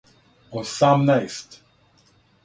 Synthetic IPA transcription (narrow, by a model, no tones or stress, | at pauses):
osamnajst